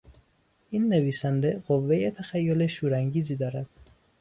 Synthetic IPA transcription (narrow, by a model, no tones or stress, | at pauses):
inːeviːsænd̪eqovːejet̪ʰæxæjːoleʃuɾæŋɡiːzid̪ɒːɾæd̪̥